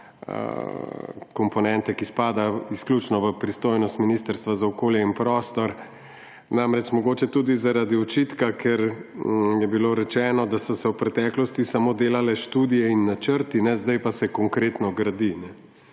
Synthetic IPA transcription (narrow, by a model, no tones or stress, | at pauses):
ə̰ | kɔmpɔnɛnt̪ɛkispaːd̪aisklʲuːt͡ʃnɔʋəpɾist̪oːjnɔst̪minist̪əɾst̪ʋazaɔkoːljɛinpɾɔːst̪ɔɾ | namɾɛt͡ʃmɔɡoːt͡ʃɛt̪uːd̪izaɾad̪iɔt͡ʃit̪kakʰɛɾ | jɛbiloːɾɛt͡ʃɛːnɔd̪asɔsɛwpɾɛt̪ɛklɔst̪isamoːd̪eːlalɛʃt̪uːd̪ijɛinːat͡ʃəɾt̪inɛzd̪ajpasɛkɔŋkɾeːt̪nɔɡɾad̪inɛ